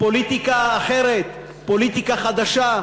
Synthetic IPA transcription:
po̞lit̪ikaːχeʁet̪ | po̞lit̪ikaχad̪aʃa

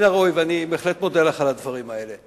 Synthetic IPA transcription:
naʁojvanibeːχlet̪mod̪elaχalad̪vaʁimae̞le

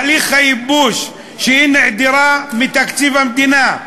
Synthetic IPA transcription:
lixajɪbuːʃ | ʃiʔinɪʕd̪ɪɾaːmɪt̪akt̪iːbamd̪inaː

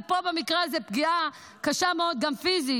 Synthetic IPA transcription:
pobemikʁeazepɡia | kaʃameod̪̚ɡamfizi

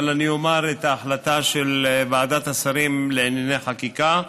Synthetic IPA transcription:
laniomaɾet̪aːħlat̪aʃelvaːd̪at̪asaɾimleenjenejχakika

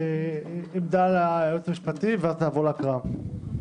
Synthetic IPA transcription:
eimd̪alajot͡samiʃpat̪iveazt̪aːvolakʁa

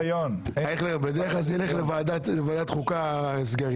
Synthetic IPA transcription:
joneχlebed̪eʁeχlazjeleχlevaːd̪atlevaːd̪at̪χukazɡaʁ

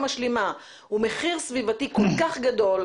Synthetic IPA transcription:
maʃlima | ume̞χiʁsvivatikolkaχɡado̞l

